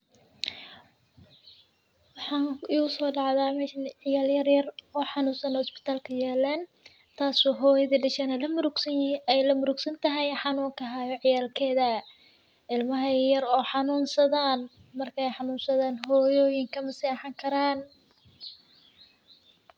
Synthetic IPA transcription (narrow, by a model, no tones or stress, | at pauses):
wɑħɑːniːʊsɔːɖɑʕðaːmɛʃnʕɪjaːljɐrjɐrɔːħɑnuːnsɐnɔːspɪ̥t̪ʰaːlkʰɐjɛːlaːn | t̪ʰaːsɔɦɔːjɐðɐɖɐʃɛnɐlɐmʊɾɡɛjlɐmʊɾʊɡsɐnt̪ʰɐɦɛjħɑnuːŋkʰɐɦaːjɔʕɪjaːlkʰɛːðɐ | ʔɪlmɐɦɐjɐɾɔːħɑnuːnsɐðaːn | mɐrkʰɐɛjħɑnuːnsɐðaːnɦɔːjɔːjɪŋkʰɐmɐsiːħɑŋkʰɐɾaːn